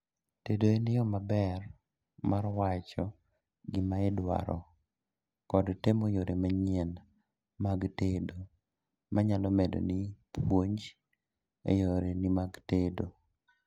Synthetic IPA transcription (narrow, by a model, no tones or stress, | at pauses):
tedoenɪjɔmabɛr | marwat͡ʃɔ | ɡɪmaɪdwa̰ɾɔ̰ | kɔdtemojoɾemaɲɛn | maɡtedo | maɲalɔmedo̰nipʰwoɲd͡ʒ | ḛjoɾenimaɡtedo